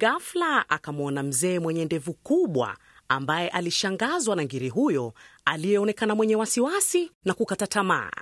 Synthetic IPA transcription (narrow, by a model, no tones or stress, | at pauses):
ɡaflaʔakamɔnam̩zɛːmwɛɲɛndɛvukuɓwa̰ | ambajɛʔaliʃaŋɡazwanaŋɡiɾiɦujɔalijɛɔnɛkanamwɛɲɛwasiwasinakukatatama̰ː